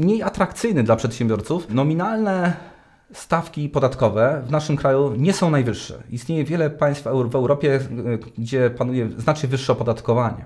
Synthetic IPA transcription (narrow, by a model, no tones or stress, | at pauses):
mɲejat̪ɾakt̪sɘjnɘd̪lapʂɛt̪ɕɛmbʲjɔɾt̪sufnɔmʲinalnɛ | st̪afkʲipɔd̪at̪kɔvɛvnaʂɘmkɾajuɲɛsɔ̃w̃najvɘʂːɛ̰ist̪ɲejɛvʲjɛlɛpaj̃st̪fɛvɛwɾɔpʲjɛɡd͡ʑɛpanujɛznat͡ʂɲɛvɘʂːɛɔpɔd̪at̪kɔvaɲɛ̰